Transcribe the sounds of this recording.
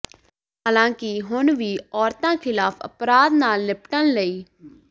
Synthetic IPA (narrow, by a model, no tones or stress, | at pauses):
ɦaːlãːkɪɦʊnʋiːɔːɾt̪ãːkʰɪlaːpʰə̰pɾaːd̪naːlːɪpʈənləiː